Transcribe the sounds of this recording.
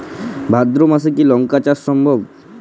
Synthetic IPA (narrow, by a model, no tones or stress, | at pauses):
bʱad̪ɾomas̬ekilɔŋkat͡ɕaɾsɔmbʱɔb